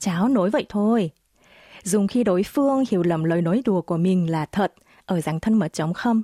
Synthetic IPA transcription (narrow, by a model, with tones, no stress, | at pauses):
t͡ɕaː˨˦wno˨˦jvə̰˧˨jt̪ʰo˧j | zʊ˨˩ŋ͡mxi˧ɗo˨˦jfɨ˧əŋhi˨˧˩əwlə˨˩mləː˨˩jno˨˦jɗu˨˩əku˧˩əmï˨˩ŋ̟laː˨˩t̪ʰə˨˩t̚ | ʔəː˧˩zaː˨˩ŋt̪ʰə˧nmə˨˩t̚t͡ɕə˨˦wŋ͡mxə˧wŋ͡m